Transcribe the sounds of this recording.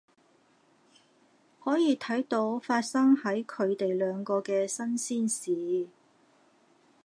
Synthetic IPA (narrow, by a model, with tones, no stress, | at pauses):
hɔː˨˥jiː˨˧t̪ʰɐ˨˥jt̪o˨˧˥wfaː˧t̚sɐ˥ŋhɐ˨˥jkʰɵ˨˧ɥt̪e˨jlœː˨˧ŋkɔː˧kɛː˧sɐ˥nsiː˥nsiː˨